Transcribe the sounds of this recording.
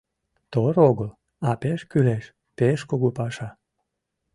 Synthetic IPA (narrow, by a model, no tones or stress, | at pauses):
t̪oɾoɣəl | ɑpeʃkyleʃ | peʃkoɣopɑʃɑ